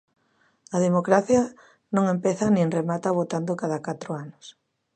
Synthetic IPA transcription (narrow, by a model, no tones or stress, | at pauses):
ɐðemokɾaθjɐ | nõŋempɛθɐnẽŋremat̪aβot̪and̪okað̞akat̪ɾʊanʊs